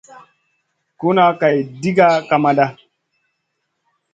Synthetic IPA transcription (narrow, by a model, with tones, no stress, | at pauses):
ku˦na˦ka˨jdi˦ɡa˦ka˨ma˦ɗa˦